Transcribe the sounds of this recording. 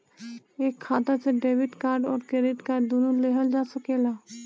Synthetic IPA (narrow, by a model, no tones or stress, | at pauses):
eːkʰːaːt̪aseɖeːʋɪʈkaːɾɖɔːɾkeːɾɪt̪kaːɾɖd̪unuleːɦəld͡ʒaːsəkeːlaː